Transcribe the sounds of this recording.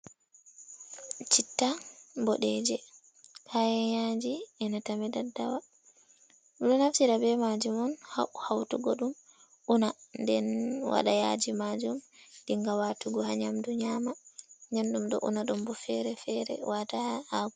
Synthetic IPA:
t͡ʃitːambɔɗɛd͡ʒɛ | kʰajɛjad͡ʒiɛnatamɛdadːawa | ɗɔnaftiɾabɛmad͡ʒumɔnhahawtuɡɔɗum | unandɛnwa̰ɗajad͡ʒimad͡ʒumɗiŋɡawatuɡɔhaɲamduɲamaɲandumɗɔ̰ʔṵnaɗɔmbɔfɛɾɛfɛɾɛ̰watahaɡu

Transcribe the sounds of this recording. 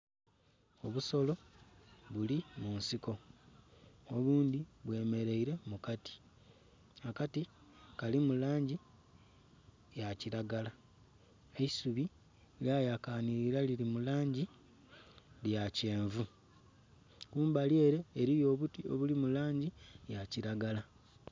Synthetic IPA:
o̞βuso̞lo̞ | βulimunsiko̞ | oβuːnd̪iβwe̞ːme̞ɾe̞iɾe̞mukati̥ | akatikalimulaːɲɟi | jaciɾaɡala | eisuβi | ljajakaːniɾiɾalilimulaːɲɟi | ljace̞ːɱvu | kuːmbalje̞ːɾe̞ːɾijo̞ːβutio̞̰βulimulaːɲɟijaciɾaɡala

